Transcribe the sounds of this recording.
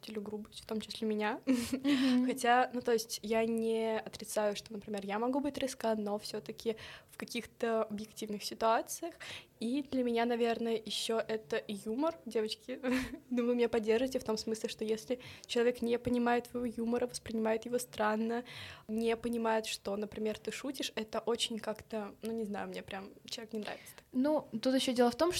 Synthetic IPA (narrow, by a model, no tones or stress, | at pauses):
tʲɪlʲɪɡɾubəsʲtʲft̪o̞mt͡ɕɪsʲlʲemʲɪnʲa | xɐtʲanut̪o̞ɪsʲtʲjanʲɪɐt̪ɾʲɪt̪sajʊʂt̪o̞nəpɾʲɪmʲerjamɐɡubɨtʲɾʲɪskano̞fsʲɵt̪əkʲɪfkɐkʲixt̪əɐbjɪktʲivnɨxsʲɪt̪ʊat̪sɨjəxid̪lʲəmʲɪnʲanɐvʲe̞rnəjəjɪɕːoʔɛt̪əjumərdʲe̞vət͡ɕkʲɪnovɨmʲɪnʲapɐdʲːerʐɨvɪtʲɪft̪o̞msmɨsʲlʲɪʂt̪ojesʲlʲɪt͡ɕɪlˠɐvʲeknʲepənʲɪmajɪt̪svɐjɪvojuməɾəvəspɾʲɪnʲɪmajɪt̪jɪvost̪ɾanːənʲepənʲɪmajɪt̪ʂt̪o̞nəpɾʲɪmʲert̪ɨʂutʲɪʂɛt̪əʔot͡ɕɪnʲkakt̪ənunʲɪzna̰jʊmnʲepɾʲamt͡ɕɪlˠɐe̥knʲɪnɾa̰vʲɪt̪sə̥nut̪ut̪jɪɕːodʲelˠəft̪o̞mʂ